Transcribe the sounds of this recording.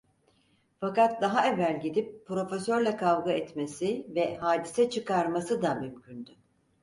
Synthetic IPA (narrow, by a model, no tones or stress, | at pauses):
fakat̪̚d̪aɦaɛvælʲɟid̪ipʰːɾo̞fesø̞ɾlʲɛkʰavɡɯɛt̪mesivɛɦaːd̪isɛt͡ʃʰɯkaɾmasɯd̪amymcʰynd̪y